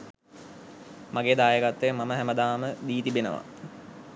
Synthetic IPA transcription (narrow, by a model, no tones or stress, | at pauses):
maɡeːd̪aːjəɡat̪ːejəmaməɦæməd̪aːməd̪iːt̪ibenəʋa̰